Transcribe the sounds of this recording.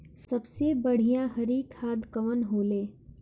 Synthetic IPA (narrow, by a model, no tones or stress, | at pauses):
sɐbsebɐɽ̤ijãɦɐɾiːkhaːd̪ʱkɐʋənɦoːleː